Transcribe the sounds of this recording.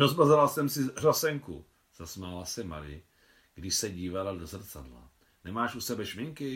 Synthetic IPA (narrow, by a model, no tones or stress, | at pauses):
ɾozmazalasɛmsɪrasɛŋku | z̥asmalasɛma̰ɾɪ̰ | ɡ̥dɪʃsɛɟiːvaladozr̩t͡sadla̰ | nɛmaːʃʔusɛbɛʃmɪŋkɪ